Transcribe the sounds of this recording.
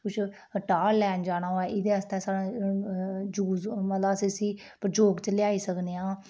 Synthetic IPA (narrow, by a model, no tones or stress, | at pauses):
kʊt͡ʃʰ | ʈaːɛːnd͡ʒaːɽ̃aːɦoɛːʔɪd̪eːəst̪ɛːsaːɽãː | d͡ʒuːzmət̪ləəsiːsiː | pɾd͡ʒoːɡt͡ʃəljaːiːsəkneːãː